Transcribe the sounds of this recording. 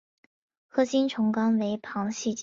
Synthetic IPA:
xɤ˥ɕi˥nʈ͡ʂʰʊ˧˥ŋkɑ˥ŋwe˧˥ɪpʰɑ˧˥ŋɕi˥˩t͡ɕ

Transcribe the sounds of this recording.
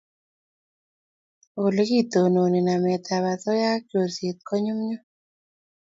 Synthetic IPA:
o˨lɡi˦t̪o˨no˨ni˨na˨mɛ˨t̪a˨βa˨tɔ˦ja˦ko˨se˨t̪̚kɔ˦ɲʊ˦mɲɔ˦

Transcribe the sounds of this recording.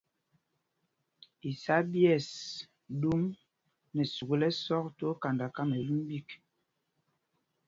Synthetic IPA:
i˨sa˦bjɛ˦˨s | du˦m | nɛ˨su˨ɡu˨˦lɛ˦sɔ˦kto˦ka˨nda˨ka˦me˨lu˦mbi˦˨k

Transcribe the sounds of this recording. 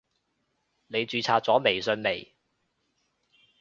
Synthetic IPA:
ne˨˧jt͡ʃyː˨˧t͡sʰaː˧t̚t͡sɔː˨˥me˨˩jsɵ˨˧nme˨˩j

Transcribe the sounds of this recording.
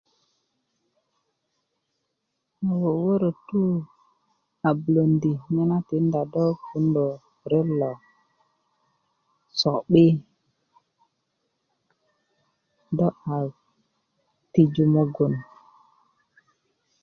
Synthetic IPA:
a˨wo˨wə˦ɾə˨tu˦ | a˨blo˨ndi˨ɲi˦na˦ti˨˦nda˨dɔ˦ku˦ndo˨ | ɾe˦lːɔ˨ | sɔ˨ɓi˦ | dɔ˦a˨ | ti˨d͡ʒu˨mo˦ɡu˨n

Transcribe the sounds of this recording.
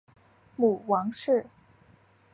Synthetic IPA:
mu˨˩wɑ˧˥ŋʂɻ̩˥˩

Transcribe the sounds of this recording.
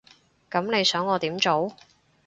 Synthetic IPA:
kɐ˨˥mne˨˧jsœː˨˥ŋɔː˨˧t̪iː˨˥mt͡ʃo˨˥w

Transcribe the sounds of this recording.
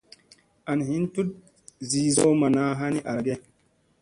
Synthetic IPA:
a˨n˨ɦi˦ntu˦t̚ | zi˦zo˦ma˨na˦ɦa˦ni˦ʔa˨ɾɡe˦

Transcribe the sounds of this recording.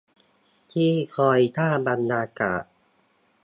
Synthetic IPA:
t̪ʰiː˥˩kʰɔː˧jt̪ʰaː˥˩ba˧nːaː˧ka̰ː˨˩ʔ

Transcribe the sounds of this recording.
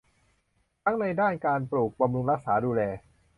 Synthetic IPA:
t̪ʰa˦˥ŋna˧jdaː˥˩nkaː˧npɾuː˨˩k̚ba˧mɾu˧ŋɾa˦˥k̚saː˩˦duː˧lɛː˧

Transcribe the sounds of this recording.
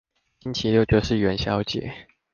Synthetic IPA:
ɕi˥nt͡ɕʰi˧˥ljo˥˧ʊt͡ɕjo˥˧ʊʂɻ̩˥˩ɥɛ˧˥nɕjɑ˥ʊt͡ɕjɛ̰˨˦

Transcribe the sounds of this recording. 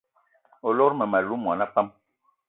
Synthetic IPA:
ɔ˨lɔ˦ɾmɛ˨ma˨lu˨˦mwa˨na˦pa˦m

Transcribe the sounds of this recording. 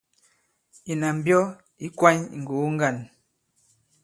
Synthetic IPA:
i˨na˨m̩˨bjɔ˦ | i˦kwa˦ɲḭ˨ŋ̩˨ɡo˨˦ŋ̩˦ɡa˦˨n

